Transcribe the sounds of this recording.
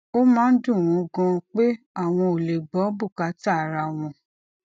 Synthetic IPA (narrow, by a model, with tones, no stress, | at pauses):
o˦mãː˦n̩˦dũ˦˨ɾ̃ũ˨˧˦ɡɔ̃˧k͡pe˦ | a˦˨w̃ɔ̃˧o˨le˨ɡ͡bɔ˨˦bu˦˨ka˨˦ta˦˨ɾa˧˨w̃ɔ̃˧